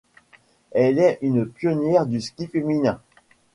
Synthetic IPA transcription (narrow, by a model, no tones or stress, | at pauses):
ɛlɛynpjɔnjɛʁd̪yskʲifeminɛ̃